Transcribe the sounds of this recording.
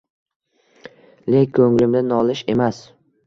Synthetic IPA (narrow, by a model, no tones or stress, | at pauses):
lekʲkʰːɵŋlɪmd̪ɪnɒlɪʃe̞mas